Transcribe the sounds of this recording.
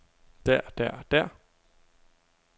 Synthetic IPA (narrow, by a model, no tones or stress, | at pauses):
d̥æɐ̰d̥æɐ̰d̥æɐ̰